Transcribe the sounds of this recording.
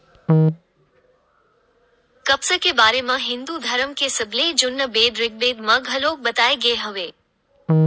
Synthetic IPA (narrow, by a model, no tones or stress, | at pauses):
kɐbsə̆kebaːɾemãɦɪ̃nd̪ud̪ʱɐɾəmkʰesɪbʱled͡ʑʊnːəbeːd̪ɾɪk̚beːd̪mãɡɦɐloːk̚ɓɐt̪aːeɡɐeɦɐʋeː